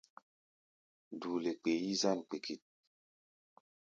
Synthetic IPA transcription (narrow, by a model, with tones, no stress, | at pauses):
duː˨le˨k͡pe˨ji˦za˦˨nk͡pe˨kʰi˨t̚